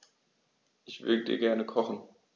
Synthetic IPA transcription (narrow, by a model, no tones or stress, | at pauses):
ʔɪçv̥ʏ̰ɐdədiːɐɡɛɐnəkʰɔχn̩